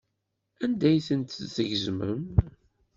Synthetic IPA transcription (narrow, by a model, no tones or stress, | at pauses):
ænd̪æjθənt̪zəʝzmə̰m